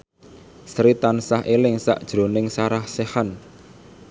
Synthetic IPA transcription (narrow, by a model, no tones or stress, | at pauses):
sɾit̪ansahʔelɪŋsa̰ʔd̥ʒ̥ɾo̤nɪŋsaɾahsehan